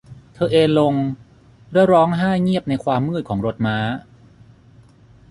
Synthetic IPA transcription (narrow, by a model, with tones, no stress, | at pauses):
t̪ʰɤː˧ʔeː˧nlo˧ŋ | ɾɯ˥˩˥wɾɔː˦˥ŋɦaː˥˩ŋi˥˩əp̚na˧jkʰwaː˧mːɯː˥˩kʰɔː˩˦ŋɾo˧˥t̪̚maː˦˥